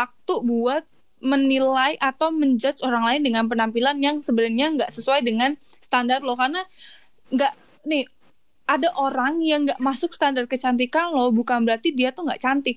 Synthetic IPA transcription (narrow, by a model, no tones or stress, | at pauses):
wak̚t̪ubuat̪̚ | mənilajʔat̪awməɲd͡ʒət͡ʃoɾaŋlaɪndəŋanp̬ənampilanjaŋsəbənarɲaŋɡaʔsəsuajdəŋanst̪andarlohkarna | ŋɡaʔ | nɪh | adaʔoɾaŋjaŋɡaʔmasʊksə̥t̪andar̚kət͡ʃant̪̬ikanlohbukanbəɾart̪idiat̪ʊhŋɡa̰ʔt͡ʃant̪ɪk̚